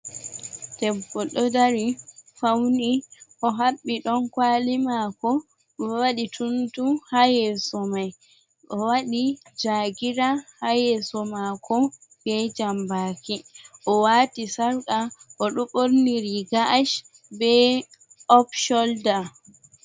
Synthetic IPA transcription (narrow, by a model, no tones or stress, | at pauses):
tɛbɔɗɔdaɾifawniʔɔɦaɓːiɗɔnkwaːlimakɔ | waɗitʰuntuhajɛsɔmaj | ʔɔwaɗid͡ʒaɡiɾahajɛsɔmakɔb̥ɛd͡ʒambaːkiʔɔwaːtisaɾkaʔɔɗɔɓoɾniɾiɡaʔaʃ | bɛ | ʔɔpʃɔlda